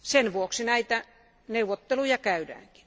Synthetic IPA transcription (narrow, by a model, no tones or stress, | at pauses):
senʋuoksinæit̪æ | neuʋot̪ːelujɑkæydæ̰ːŋki̥n